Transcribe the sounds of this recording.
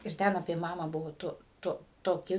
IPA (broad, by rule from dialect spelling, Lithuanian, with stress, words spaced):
ɪr ˈtʲɛn ɐpʲiɛ ˈmɑːmɑː ˈbʊʋoː ˈtʊ ˈtʊ toːˈkʲɪ